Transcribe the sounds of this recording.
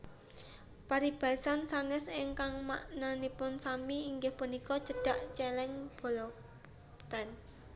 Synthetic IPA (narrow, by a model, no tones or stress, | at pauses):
paɾib̥a̤ɛsansanɛsɪŋkaŋmaʔnanipʊnsamiːŋɡɪhpunikɔt͡ʃə̤ɖ̥a̤ʔt͡ʃɛlɛŋb̥o̤lɔ | t̪an